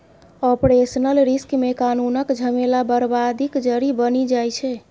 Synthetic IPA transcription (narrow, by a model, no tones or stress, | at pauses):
ɔpɾesənəlɾiskmekanunəkd͡ʒʱəmelabəɾbad̪ʱikd͡ʒəɾibənid͡ʒajt͡ʃʰɛ